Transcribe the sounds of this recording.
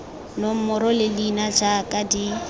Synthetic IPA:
nʊm̩mʊɾɔlɪlinad͡ʒakʼadi

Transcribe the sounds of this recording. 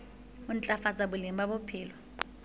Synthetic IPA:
unt͡ɬʼafazaɓulimbaɓupʰiːlɔ

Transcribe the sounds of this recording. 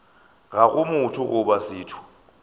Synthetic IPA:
ɣakʼʊmʊtʰʊʔʊɓasiːtʰu̥

